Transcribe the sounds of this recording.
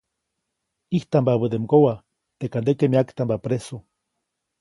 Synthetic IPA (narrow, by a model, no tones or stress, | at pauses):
iht̪ambaβəd̪emɡowa | t̪ekand̪ekemiakt̪ambapɾesu